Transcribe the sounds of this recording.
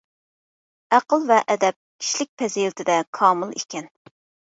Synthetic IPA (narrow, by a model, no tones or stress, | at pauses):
æqəlˠvɛʔɛd̪ɛp̚kʲʰi̥ʃlɪk̚ʲpʰɛzilɪt̪ʰɪd̪ɛkʰɑːmɨlˠḛkʲɛn